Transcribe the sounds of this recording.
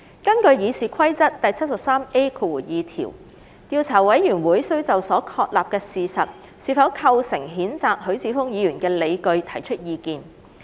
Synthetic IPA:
kɐ˥nkɵ˧ɥjiː˨˧siː˨kʰɐ˥jt͡sɐ˥t̚t̪ɐ˨jt͡sʰɐ˥t̚sɐ˨p̚saː˥me˥jkʰu˨˧wu˨˩jiː˨˧t̪ʰḭː˨˩w | t̪iː˧wt͡sʰaː˨˩wɐ˨˥jːyː˨˩nwuː˨˥jsɵ˥ɥt͡sɐ˨wsɔː˨˥kʰɔː˧k̚laː˨p̚kɛː˧siː˨sɐ˨t̚ | siː˨˧fɐ˨˥wkʰɐ˧wsɪ˨˩ŋɦiː˨˥nt͡saː˨k̚hɵ˨˥ɥt͡siː˨˧˥fʊ˥ŋjiː˨˧jyː˨˩nkɛː˧le˨˧jkɵ˧ɥt̪ʰɐ˨˩jt͡ʃʰɵ˥t̚jiː˨˧kiː˧n

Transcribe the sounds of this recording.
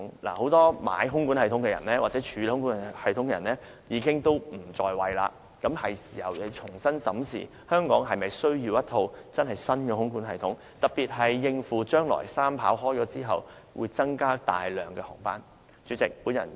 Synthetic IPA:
ŋla̰ː˨˩ho˨˥wt̪ɔː˥ma̰ː˨˧˥jɦʊ˥ŋku˨˥nhɐ˨jt̪ʰʊ˨˥ŋkɛː˧jɐ̰˨˩nlɛː˥waː˨t̚t͡sɛ˨˥t͡ʃʰyː˨˧lɛ˨˧hʊ˥ŋkuː˨˥˨hɐ˨jt̪ʰʊ˨˥ŋkɛ˧jɐ˨˩nɛː˥ | jiː˨˧kɪ˥ŋt̪o˥wm̩˨˩t͡ʃɔː˧jwɐ˨jla̰ː˧ | kɐ˨˥mhɐ˨jsiː˨˩hɐ˨wjɐ˨˧t͡ʃʰʊ˨˩ŋsɐ˥nsɐ̰˨˥msḭː˨˩ | hœː˥ŋkɔː˨˥ŋɦɐ˨jmɐ˨jsɵ˥ɥjiː˧wjɐ˥t̪ʰo˧wt͡sɐ˥nɦɐ˨jsɐ˥nkɛː˧hʊ˥ŋkuː˨˥nɦɐ˨jt̪ʰʊ˨˥ŋ | t̪ɐ˨˩t̚piː˨t̚ɦɐ˨jːɪ˧ŋfuː˨˩t͡ʃœː˥ŋlɔ̰ː˨˩jsaː˥mpʰa̰ː˨˥wɦɔː˥jt͡ʃɔː˨˥t͡siː˥ɦɐ̰˨w | wṵ˨˧jt͡sɐ˥ŋkaː˥t̪a̰ː˨jlœː˨˩ŋkɛ˧hɔ̰ː˨˩ŋpa̰ː˥n | t͡ʃyː˨˧˥t͡sɪ˨k̚puː˨˥njɐ̰˨˩n

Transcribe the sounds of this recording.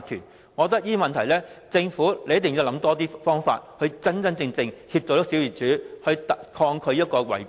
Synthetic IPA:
t̪ʰyː˨˩n | ŋɔː˨˧t̪̬ɐ˥k̚jiː˥mɐ˨nt̪ʰɐ˨˩jlɛː˥t͡sɪ˧ŋfuː˨˥le˨˧jɐ˥t̪ɪ˨ŋji˨˧wlɐ˨˥mt̪ɔː˥t̪iː˥fɔː˥ŋfa̰ː˧t̚hɵ˧ɥt͡sɐ˥nt͡sɐ˥nt͡sɪ˧ŋt͡sɪ˧ŋhiː˧p̚t͡sɔ˨˩ɾɐ˥ksi˨˥wjiː˨˩t͡ʃyː˨˥hɵ˧ɥt̪ɐ˨kʰɔː˧ŋkʰɵ˨˧ɥjɐ˥t̚kɔː˧wɐ̰˨˩j

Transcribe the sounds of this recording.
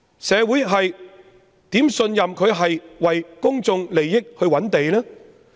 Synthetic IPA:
sɛː˨˧wuː˨˥jɦɐ˨j | t̪iː˨˥msɵ˧njɐ˨mkʰɵ˨˧ɥɦɐ˨jwɐ˨jkʊ˥ŋt͡sʊ˧ŋle˨˩jːɪ˥k̚hɵ˧ɥwɐ˨˥nt̪e˨jlɛː˥

